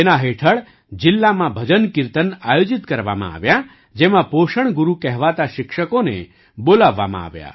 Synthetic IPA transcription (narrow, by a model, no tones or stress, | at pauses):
enaɦeʈʰəɭ | d͡ʒɪlːamãbʱəd͡ʒənkɪɾt̪ənajod͡ʒit̪kəɾʋa̰mã̰a̰ʋja | d͡ʒemãpoʃəɳ̃ɡuɾukɛɦʋat̪aʃɪkʃəkonḛ | bolaʋːa̰mã̰a̰ʋja̰